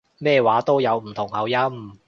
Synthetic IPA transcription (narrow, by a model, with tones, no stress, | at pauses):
mɛː˥˧waː˨˥t̪o˥wjɐ˨˧wm̩˨˩t̪ʰʊ˨˩ŋhɐ˨˧wjɐ˥m